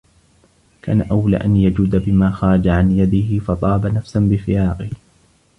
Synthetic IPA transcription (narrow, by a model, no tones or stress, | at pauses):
ka̰ːnaʔawla̰ːʔanjad͡ʒʊd̪abɪmaːxɑːɾˤɑd͡ʒaʕanjad̪ɪhɪfɑt̪ˤɑːbanafsanbɪfɪjaːqɪh